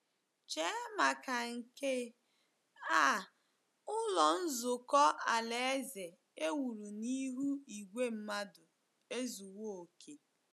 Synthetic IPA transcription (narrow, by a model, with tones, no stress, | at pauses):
t͡ʃe˦ma˨ka˨ŋ̩˨ke˦ | a˦˨ | ʊ˦lɔ˨n̩˦zʊ˨kɔ˦a˨le˨e˦ze˨ | e˦wu˨ɾu˨ni˦ɦu˦i˨ɡʷe˦m̩˦ma˦dʊ˨ | e˦zu˨wo˦o˨kʰe˨